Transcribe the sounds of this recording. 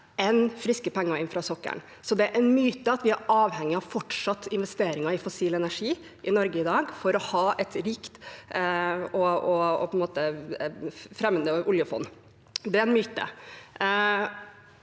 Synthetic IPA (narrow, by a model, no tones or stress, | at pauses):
ɛnfɾɪskəpɛŋːɑɪnfɾɑsɔkːə̰ɳ | sɔd̪ɛæʔɛnmyːt̪əɑt̪ʋɪæɾɑːʋhɛŋːɪɑʋfɔʈʂɑt̪ːɪnʋɛst̪eːɾɪŋɑɪfɔsiːlɛnæʂiː | ʔɪnɔɾɡəɪd̪ɑːɡfɔɾɔhɑːɛt̪ɾɪkt̪ | ɔɔɔ̰pʰɔɛnmoːt̪ə | fɾɛmːənəʔʊljəfɔ̰nː | d̪ɛæɾɛnmyːt̪ə̰